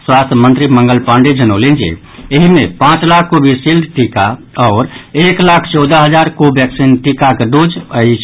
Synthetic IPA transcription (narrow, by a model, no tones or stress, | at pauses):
swast̪ʰjəmənt̪ɾiməŋɡəlpaɳɖed͡ʒənəlend͡ʒḭ | eɦimepãt͡ʃlakʰkobʱisilɖ̪ʈika | ɔːɾeklakʰt͡ʃɔʊd̪əɦəd͡ʒaɾkobʱɛksinʈikakeɖod͡ʒəit͡ʃʰ